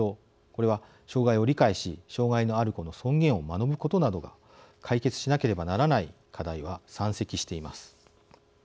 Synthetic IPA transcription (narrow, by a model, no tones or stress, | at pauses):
o | ko̞ɾe̞βa | ɕo̞ːɡaio̞ɾʲikaiɕiɕo̞ːɡaino̞aɾɯ̟ko̞no̞sõ̞ŋɡẽ̞ɰ̃o̞mano̞bɯ̟ko̞t̪o̞nad̪o̞ɡa̰ | kʰaike̞t͡sɨ̥ɕinake̞ɾe̞banaɾanai | kʰad̪aiβasãɰ̃se̞kʲiɕi̥t̪e̞imasɨ̥